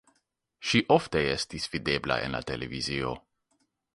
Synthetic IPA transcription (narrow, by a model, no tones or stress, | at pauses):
ʃiʔɔft̪ɛjɛst̪isfid̪ebla̰ʔɛ̰na̰t̪elevizijo̰